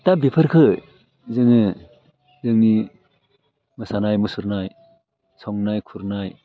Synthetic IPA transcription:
tabipʰɯɾkʰɯ | zɯŋɯ | zɯŋni | mɯsanajmɯsuɾnaj | sʰɔŋnajkʰuɾnaj

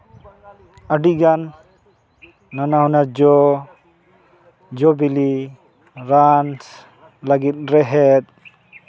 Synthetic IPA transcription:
aɖiɡan | anaɦunaɾd͡ʒɔ | d͡ʒɔbili | ɾans | laɡit̪̚ˀɾɛɦɛt̪̚

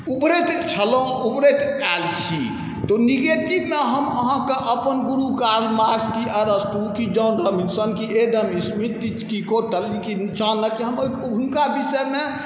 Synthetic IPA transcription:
ubɾet̪t͡ʃʰəlõ | ubɾet̪ɛlt͡ʃʰḭ | t̪oniɡeʈkit̪meɦəməɦãkeʔəpənɡuɾukaɾmaskiəɾəst̪ukid͡ʒəːnɾəminsənkieɖ̪əmismit̪ːit͡ʃkikoʈəlikinit͡ʃʰanːəkiɦəm | unkabisəme

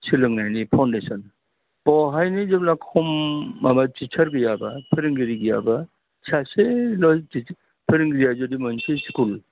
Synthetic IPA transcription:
silɯŋnajnipʰawndesɔn | pɔɦajnizeblakʰɔmamatitʰɐɾɡɯjabɐpʰeɾiŋɡiɾiɡɯja̰ba | sʰaselɔti | pʰeɾiŋɡɾijazodimanseskul

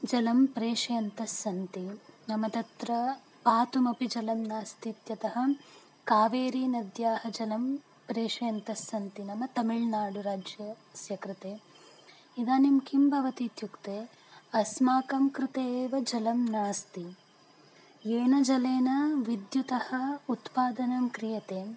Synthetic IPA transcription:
d͡ʒɐlɐmpɾeːʂɐjɐnt̪ɐsɐnt̪inɐmɐt̪ɐt̪ɾɐ | paːt̪umɐpid͡ʒɐlɐmnaːst̪it̪jɐt̪ɐɦɐ̆ | kaːʋeːɾiːnɐd̪jaːhɐd͡ʒɐlɐm | pɾeːʂɐjɐnt̪ɐsɐnt̪inɐmɐt̪ɐmiɭnaːɽuɾaːd͡ʒjɐ | sjɐkɾut̪eː | id̪aːnimkimbʱɐʋɐt̪it̪jukt̪eː | ɐsmaːkɐmkɾɪt̪eːʋɐd͡ʒɐlɐmnaːst̪i | eːnɐd͡ʒɐleːnɐʋid̪jut̪ɐhɐut̪paːd̪ɐnɐmkɾijɐt̪eː

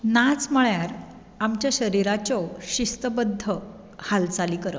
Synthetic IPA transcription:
nat͡sm̤əɭjaɾ | amt͡ɕjaɕəɾiɾat͡ɕɔɕist̪əbəd̪ʱːə | halt͡saliːkəɾə̰

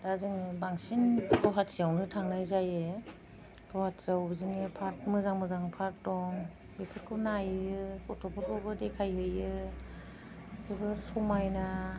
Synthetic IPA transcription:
dazɯŋbaŋsinkʰɔwɦatsiawnɯtʰaŋnajzajɯ | kʰɔhatsawbziŋɯpʰaɾt̚mɯzaŋmɯzaŋpʰaɾdɔŋ | bepʰɯɾ̚kʰɯnajɯkɔtʰɔpʰɔɾɔbɯdekʰajɦɯjɯ | kʰɯbɯɾsɔmajna

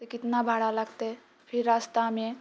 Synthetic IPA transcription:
t̪ekɪt̪nabʱaːɽaləɡt̪e | pʰɪɾːast̪amẽ

